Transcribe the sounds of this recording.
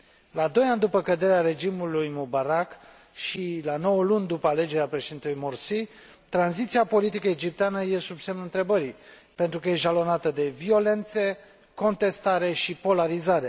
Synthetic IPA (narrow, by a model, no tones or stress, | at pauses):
laːd̪o̞jand̪upəkəd̪e̞ɾeaɾe̞d͡ʒimulujmobaɾak | ʃilano̞wəlunʲd̪upəale̞d͡ʒeeapɾe̞ʃed̪int̪ulujmorsi | t̪ɾanzit̪siapo̞lit̪ikəed͡ʒip̚t̪eanəje̞subse̞mnuɨnt̪ɾe̞bəɾipe̞nt̪ɾukəjeʒalo̞nat̪əd̪e̞vio̞le̞nt̪se̞ | ko̞nt̪e̞st̪aɾe̞ʃipo̞laɾizaɾe̞